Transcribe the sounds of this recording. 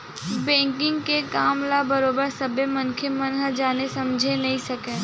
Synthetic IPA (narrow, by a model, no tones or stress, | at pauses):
bɛ̃ːŋkɪ̃ŋɡkekaːmlabɐɾoːbəɾsɐbemɐnkʰemɐnɦd͡ʒaːnesɐmd͡ʒʱenɐɦĩsɐkẽː